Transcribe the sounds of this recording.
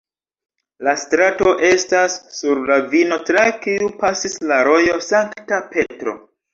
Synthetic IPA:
lastɾato̞ʔe̞stasːuɾlavino̞tɾakiupasislaɾo̞jo̞saŋktape̞tɾo̞̰

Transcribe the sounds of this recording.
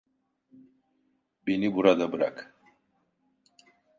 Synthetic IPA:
benibuɾad̪abɯɾa̰k

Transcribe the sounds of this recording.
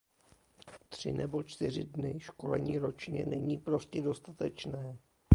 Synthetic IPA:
t̪r̝̥ɪ̰nɛbo̞t͡ʃt̪ɪr̝ɪdnɪʃko̞lɛ̰ɲiːɾo̞t͡ʃɲɛ̰nɛɲiːpɾo̞scɛdo̞st̪at̪ɛt͡ʃnɛː

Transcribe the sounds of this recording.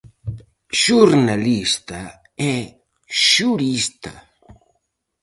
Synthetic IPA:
ʃuɾnalist̪a | ɛ | ʃuɾist̪a̰

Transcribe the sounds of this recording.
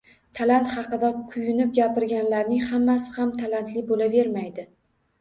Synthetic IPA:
t̪ʰalant̪χɑqɨd̪akʰʊjʊnɪp̚ɡʲapɪɾɡʲanlaɾnɪŋhamːasɪ̥hamt̪ʰalant̪lɪbolave̞ɾmajd̪ɪ

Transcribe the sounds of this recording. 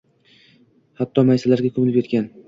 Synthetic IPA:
hat̪ʰːɒmajsalaɾɡʲakʰɵmɪlɪpjet̪kʲan

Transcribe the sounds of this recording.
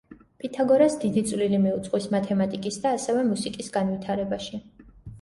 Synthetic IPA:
pʰʼit̪ʰaɡɔɾasd̪id̪it̪sʼvlilimiut̪sʼqʼwismat̪ʰɛmat̪ʼikʼisd̪aːsɛvɛmusikʼisɡanvit̪ʰaɾɛbaʃi

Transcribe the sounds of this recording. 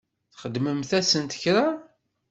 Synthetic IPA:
θχəd̪ːməmθæsənt̪ə̥çɾa

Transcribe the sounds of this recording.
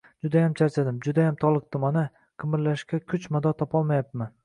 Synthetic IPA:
d͡ʒʊd̪ajamt͡ʃʰaɾt͡ʃʰad̪ɪmd͡ʒʊd̪ajamt̪ʰɒlˠɨq̚t̪ɪmana | qʰɨmɪɾlaʃkʲakʲʰʊt͡ʃmad̪ɒt̪ʰɒpʰɒlˠmajap̪̚man

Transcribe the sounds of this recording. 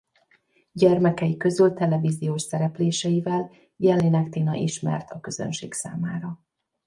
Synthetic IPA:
ɟɛrmɛkɛjikø̞zylt̪ɛlɛviːzijoːʃsɛɾɛpleːʃɛjivɛl | jɛlːinɛkt̪inɒ̰ʔiʃmɛ̰rt̪ɒkøz̥ø̰nʃḛːksa̰ːmaːɾɒ

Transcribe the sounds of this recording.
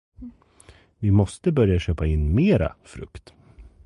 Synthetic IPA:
vɪmɔst̪əbœɾjaɕøːpaɪnːmeːɾa̰fɾɵ̰kt̪

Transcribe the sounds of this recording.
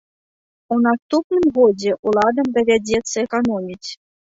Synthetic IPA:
unast̪upnɨmɣɔd͡zʲɛʔulˠad̪ɐmd̪ɐvʲad͡zʲɛt̪sːɐɛkanɔmʲit͡sʲ

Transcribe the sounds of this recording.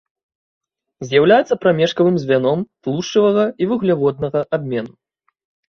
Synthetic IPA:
zʲjawlʲajɛt̪sːɐpɾamʲɛʂkɐvɨmzʲvʲanɔmplˠuʂt͡ʂːɨvɐɣɐivɨɣlʲavɔd̪̚nɐɣɐʔabʲmʲɛnu

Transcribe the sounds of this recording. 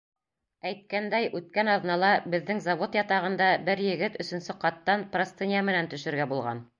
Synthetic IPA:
æjt̪̚kænd̪æjʔʉt̪̚kænɑðnɑlˠɑbɘ̆ðːɘŋzɑvot̪jɑt̪ɑʁɤ̆nd̪ɑbɘɾjɘ̆ɡɘt̪ɵ̆sɵ̆nsɘqɑt̪ːɑnprost̪enʲijæmɘ̆nænt̪ɵ̆ʃɘ̆ɾɡæbulˠʁɑ̰n

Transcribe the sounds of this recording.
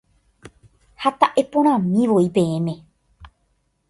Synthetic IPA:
hat̪aʔe̞põɾ̃ãmĩʋoipẽ̞ẽmẽ̞

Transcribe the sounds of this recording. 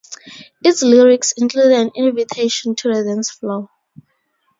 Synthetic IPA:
itsliɹiksĩŋkʰludãnĩnvitʰeʃɔ̃ntʰuɹɛðɛ̃nsflo

